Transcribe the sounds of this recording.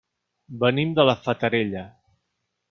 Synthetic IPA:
bənimd̪ələfət̪əɾeʎə

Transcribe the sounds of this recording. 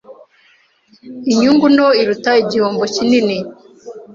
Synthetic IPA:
iɲuŋɡunoiɾutaiɟihoːmbocinini

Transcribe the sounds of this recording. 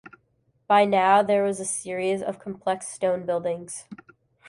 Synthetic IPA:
b̥aɪnaʊðə˞wʌzɨsɪɹizʌ̰v̥kʰmpʰl̥ɛkstõʊ̃nbɪlˠdɪ̃ŋz̥

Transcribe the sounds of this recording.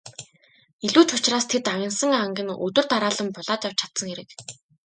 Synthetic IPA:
iɮuːt͡ɕʊt͡ɕraːst̪ʰet̪awʲə̆nsə̆ŋaŋɡʲɪ̆nɵ̰t̪ɵ̆r̥t̪aɾaːɮə̆mpʊɮaːt͡ɕjaw̥t͡ɕʰḁt̪sə̆ŋxeɾɘ̆k

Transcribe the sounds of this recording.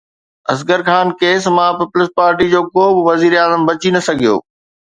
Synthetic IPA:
ɐsɡəɾxaːnkeːsmãpiplɪspaːɾʈid͡ʑoːkoːbɪʋɐziːɾaːzəmbɐt͡ɕinɐsɐɡʱijo̰ː

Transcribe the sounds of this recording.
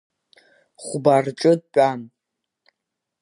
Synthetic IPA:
χʷbarʈ͡ʂʼɨd̚pʷʼan

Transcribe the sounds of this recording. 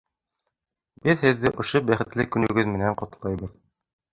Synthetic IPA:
bɘðhɘ̆ðːɘʔŏʃobæχɘ̆t̪lɘkɵ̆nɵ̆ɡɵðmɘ̆næɴqŏt̪ɤ̆lˠɑjβɤð

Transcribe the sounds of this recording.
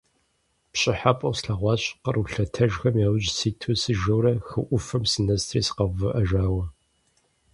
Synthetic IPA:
pɕʼɪħapʼɐwsɬɐʁʷɑːɕʼqəruɬɐtʰɐʒxɐmjaːwʊʑsiːtʰusɨʒɐwɾɐxɨʔʷʊfɨmsɨnɐstʰriːsqɐvɨʔɐʒaːwɐ

